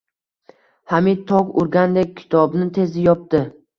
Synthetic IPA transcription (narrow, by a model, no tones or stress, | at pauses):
hamit̪ʰɒkʊɾɡʲand̪ek̚ʲʰːɪ̥t̪ʰɒbnɪt̪ʰe̞zɪjɒp̚t̪ɪ